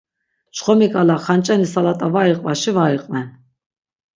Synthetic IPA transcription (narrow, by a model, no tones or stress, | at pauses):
t͡ʃχɔmikʼalaχant͡ʃʼɛnisalat̪ʼavaiqʼvaʃivaiqʼvɛn